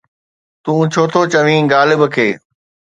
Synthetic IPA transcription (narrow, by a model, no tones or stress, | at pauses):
t̪ũːt͡ɕʰoːt̪ʰoːt͡ɕəʋĩːɡaːlɪbəkʰeː